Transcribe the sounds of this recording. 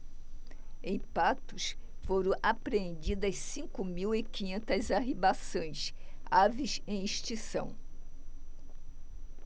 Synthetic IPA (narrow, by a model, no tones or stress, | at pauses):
ẽj̃pat̪ʊsfoɾɐ̃w̃ʔapɾeẽnd͡ʒid̪ɐssĩkʊmiwɪkĩɲẽnt̪ɐzaɦibasɐ̃j̃t͡ʃavisẽj̃iʃt͡ʃisɐ̰̃w̃